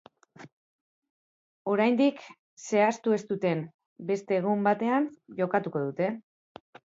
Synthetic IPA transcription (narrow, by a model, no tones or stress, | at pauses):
o̞ɾajnd̪ik | se̞ast̪ue̞st̪ut̪e̞m | be̞st̪e̞ːɣ̞umbat̪e̞anʝo̞kat̪uko̞ðut̪e̞